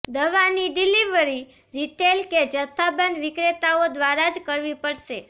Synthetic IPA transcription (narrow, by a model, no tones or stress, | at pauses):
d̪əʋaniɖiliʋəɾi | ɾiʈelked͡ʒət̪ʰːabənʋɪkɾet̪aod̪ʋaɾad͡ʒkəɾʋipəɽʃe